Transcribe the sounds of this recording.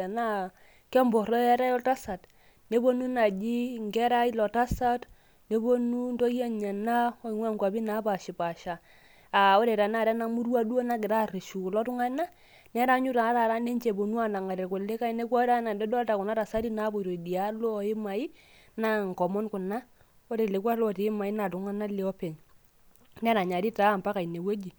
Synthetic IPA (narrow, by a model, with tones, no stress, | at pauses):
a˨na˦ | kɛ˦mbɔ˨ɾɔ˦ɛ˦ɾa˦jɔ˦lta˦sa˨t | ne˦bo˦nu˦na˨d͡ʒi˦ŋɡɛ˦ɾa˦i˦lɔ˨ta˦sa˦t | ne˦bo˦nu˦ndo˦ja˦ɲa˨na˦o˦i˨ŋwa˦˨ŋkwa˨bi˦na˨˦pa˨ʃi˨pa˨ʃa˨ | a˨o˦ɾe˨ɾa˨na˦˨ɾɛ˦na˦mu˦ɾwa˦do˦na˦ɡɪ˨ɾa˦ɾe˨ʃu˨lɔ˦tu˦ŋa˦na˦ | n˦a˦ɾa˨˦ɲu˦ta˨˦ɾa˨ɾa˦ne˦nt͡ʃe˨bo˨nu˦a˦na˨ŋa˨e˨ku˨le˦ka˦i˦ne˦kɔ˦ɾa˦na˨nde˦dɔ˦ta˨kʊ˨na˦ta˨sa˦ɾi˦na˦bo˨ɾo˨di˨a˦lo˦˨ɪ˦ma˨i˦ | na˦ŋ˨kɔ˨mɔ˦nkʊ˨na˦ | o˦ɾe˨le˨kwa˦lɔ˦˨te˨˦ma˨i˦na˨tʊ˨ŋa˦na˦le˦ɔ˦pe˨ɲ | n˦ɾa˨ɲa˨ɾi˦ta˦˨mpa˦ka˨i˨ne˨we˦d͡ʒi˨